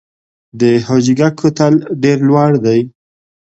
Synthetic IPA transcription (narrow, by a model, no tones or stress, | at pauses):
d̪əhɑd͡ʒiɡakʰːot̪alɖeɾlwaɽd̪aj